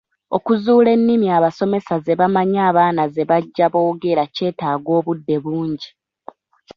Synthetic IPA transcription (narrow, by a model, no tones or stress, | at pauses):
o̞kuzuːle̞nːimiaβaso̞me̞saze̞βamaɲaːβaːnaze̞βaɟːaβo̞ːɡe̞ɾace̞ːtaːɡo̞ːβudːe̞βuːɲɟi